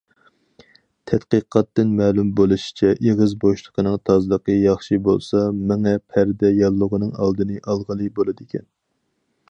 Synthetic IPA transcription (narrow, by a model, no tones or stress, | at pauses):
t̪ʰɛt̪qəqʰɑt̪ːɨnmɛːlumbolˠuʃi̥t͡ʃʰɛʔeʁɨzboʃlˠə̥qʰənɨŋt̪ʰɑzɨlˠəqəjɑχʃibo̰lˠsɑmɪŋɛpʰæɾd̪ɛjɑlˠːʊʁənɨŋɑlˠd̪ɨnɨʔɑlˠʁəlˠɨbolˠɨd̪ɪkʲʰɛn